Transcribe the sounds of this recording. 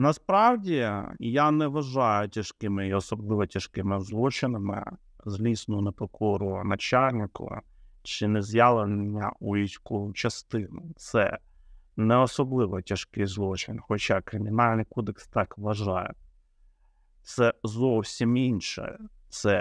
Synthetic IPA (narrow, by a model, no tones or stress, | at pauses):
nɐspɾɑwdʲijanɛʋɐʒɑjʊtʲɐʃkɪmɪiɔsɔblˠɪʋɔtʲɐʃkɪmɪzlˠɔt͡ʃɪnɪmɪ̰ | zʲlʲisnʊʊnepɔkʰɔɾʊnɐt͡ʃalʲnɪkʊ̰ | t͡ʃɪnɛzʲjalˠennʲːɐ̰uʋʲisʲkɔʊt͡ʃɐst̪ɪnʊt̪sɛ | nɛɔsɔblˠɪʋɔtʲɐʃkɪjzlˠɔt͡ʃɪnʲxɔt͡ʃakɾɪmʲɪnɑlʲnɪjkɔd̪ekst̪ɑkʋɐʒɑjɛ̰ | t̪sɛzɔwsʲiminʃɛ̰t̪sɛ